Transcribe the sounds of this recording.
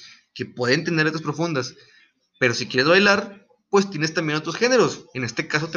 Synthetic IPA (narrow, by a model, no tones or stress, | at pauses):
ke̞pwe̞ðent̪end̪eɾt̪aspɾo̞fund̪as | pe̞ɾo̞sikje̞ɾe̞zβajlaɾ | pwe̞st̪je̞nest̪ambje̞not̪ɾo̞sxe̞ne̞ɾo̞sene̞st̪e̞kas̬o̞t̪e